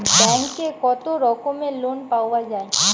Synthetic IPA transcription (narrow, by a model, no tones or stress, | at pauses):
bɛ̃ŋkːekɔt̪oɾɔkõmẽlonpaːʊad͡ʒaːe